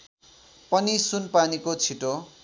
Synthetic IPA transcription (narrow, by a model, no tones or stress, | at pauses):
pʌnisunpanikot͡sʰiʈo